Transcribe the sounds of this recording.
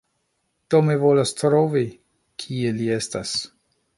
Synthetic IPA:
d̥omivo̞lastɾovi | kʰielie̞stas

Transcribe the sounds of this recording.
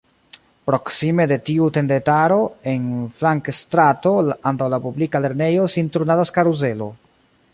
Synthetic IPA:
pɾo̞ksime̞de̞tiute̞ndetaɾo̞e̞nflaŋkstɾato̞antawlapublikale̞ɾne̞jo̞sintɾunadaskaɾuze̞lo̞̰

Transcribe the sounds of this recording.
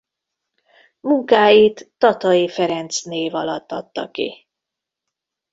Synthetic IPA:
muŋkaːjit̪ːɒt̪ɒjifɛɾɛnt̪sneːvɒlɒt̪ːɒt̪ːɒkḭ

